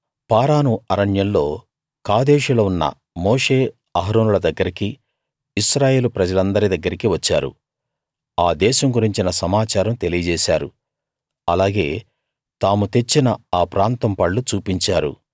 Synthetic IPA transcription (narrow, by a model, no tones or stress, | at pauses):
paːɾaːnuɐɾɐɳjɐllo̞ː | kaːd̪eːʂulɐunːɐ̰ | moːʂe̞ː | ɐɦɐɾoːnulɐd̪ɐɡːɐɾiki | iʃɾaːje̞ːlupɾɐd͡ʒɐlɐnd̪ɐɾid̪ɐɡːɐɾikiʋɐt͡ʃːaːɾṵ | aːd̪ɛːʃɐŋɡuɾiɲt͡ʃinɐsɐmaːt͡ʃaːɾɐmt̪elijɐd͡ʒɛːʃaːɾṵ | ɐlaːɡe̞ː | t̪aːmut̪e̞t͡ʃːinɐaːpɾaːnt̪ɐmpɐɭːut͡ʃuːpiɲt͡ʃaːɾṵ